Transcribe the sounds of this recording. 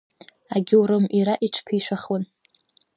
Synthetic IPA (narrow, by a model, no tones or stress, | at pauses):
aɡʲɪuɾɨmiɾaʔiʈ͡ʂʷʰpʰiiʃʷaχwon